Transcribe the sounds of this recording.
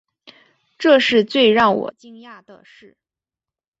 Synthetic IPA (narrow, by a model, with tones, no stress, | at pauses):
ʈ͡ʂɤ˥˧ʂɻ̩˥˧t͡swe˥˧ɪɻɑ˥˩ŋwɔ̰˨˩t͡ɕi˥ŋja˥˩d̪ə˩ʂɻ̩˥˩